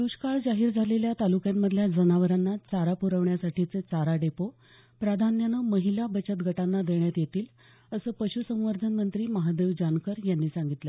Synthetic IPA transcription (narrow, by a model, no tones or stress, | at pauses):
ɾuɕkaɭd͡zaɦiːɾd͡zʱaleljat̪alukjamːəd̪ʱljad͡zənaʋəɾanːat͡saɾapuɾəʋɳjasaʈʰit͡set͡saɾaɖepo | pɾad̪ʱanjanəməɦilabət͡ɕət̪̚ɡʱəʈanːad̪eɳjat̪jet̪iːl | əsəːpəɕusə̃w̃ʋəɾd̪ʱənmənt̪ɾiːməɦad̪eʋd͡ʑankəɾjanːiːsaŋɡit̪lə